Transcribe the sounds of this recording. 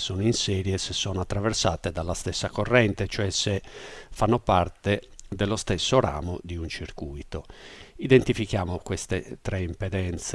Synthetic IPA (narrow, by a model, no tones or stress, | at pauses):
sɔnoinsɛːɾjɛsesːɔnoat̪ːɾavɛɾsaːt̪ed̪alːast̪ɛsːakorːɛnt̪et͡ʃoɛsɛfanːɔpaɾt̪ed̪ɛlːɔst̪ɛsːoɾa̰ːmod̪iunt͡ʃiɾkujt̪oid̪ent̪ifikjaːmɔkwɛst̪et̪ɾɛimpɛd̪ɛnt̪s